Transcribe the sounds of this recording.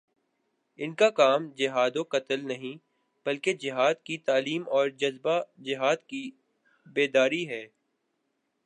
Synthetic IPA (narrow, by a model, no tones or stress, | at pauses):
ɪnkakaːmd͡ʒɪɦaːd̪õkɐt̪əlnɐɦĩ | b̥ɐlked͡ʒɪɦaːd̪kit̪aːliːmɔːɾd͡ʒɐzbad͡ʒɪɦaːd̪ki | beːd̪aːɾiɦɛː